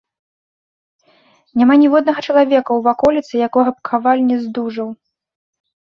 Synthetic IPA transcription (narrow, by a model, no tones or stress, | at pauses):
nʲamanʲivɔd̪nɐɣɐt͡ʂɐlˠavʲɛkɐwvakɔlʲit̪sɨjakɔɣɐpkʰavalʲnʲɛzd̪uʐɐw